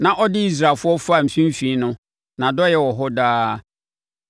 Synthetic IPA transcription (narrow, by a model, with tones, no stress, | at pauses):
nã˨ʔɔ˦dɪ˦i˦s̬ɾa˨fʊ˦ɔ˦fa˦˨m̩˨fĩ˦m˦fi˨˦nʊ̃˦ | nã˨dɔ˦jɛ˦wɔ˨ɦɔ˦daː˦